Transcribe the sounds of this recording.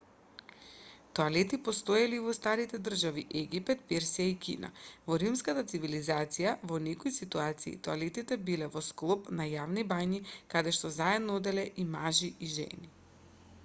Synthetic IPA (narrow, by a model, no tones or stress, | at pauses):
t̪ɔalɛt̪ipɔst̪ojaliːvɔst̪aɾit̪ɛd̪r̩ʒaviʔɛɡipɛt̪̚pɛɾsijaikḭna̰vɔɾimskat̪at̪sivilizat̪sijavɔnɛkɔisit̪uat̪sḭːt̪ɔalɛt̪it̪ɛbilɛvɔsklˠɔpnajavnibaɲikad̪ɛʃt̪ɔzaɛd̪nɔod̪ɛlɛʔimaʒiiʒɛ̰ni